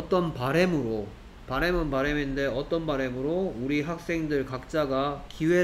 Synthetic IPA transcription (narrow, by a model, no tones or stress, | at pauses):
ʌt͈ʌnpaɾe̞mɯɾo | paɾe̞mɯnbaɾeminde̞ʌt͈ʌnbaɾe̞mɯɾouɾiɦak̚s͈e̞ŋdɯɭkak̚t͡ɕ͈aɡakiwe̞